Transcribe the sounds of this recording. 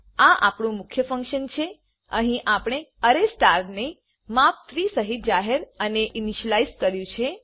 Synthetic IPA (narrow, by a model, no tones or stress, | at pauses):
aʔa̰pɳũmʊkʰjəfə̃ŋkʃənt͡ʃʰe | əɦĩʔapɽ̃eəɾesʈaɾne | map̚t̪ʰɾisəɦit̪̚d͡ʒaɦeɾəneʔiniʃəlaizkəɾjũt͡ʃʰe